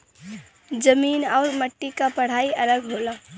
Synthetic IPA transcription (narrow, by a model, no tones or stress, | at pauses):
d͡ʒəminaʊɾməʈːikapəɽ̤aiələɡɦolə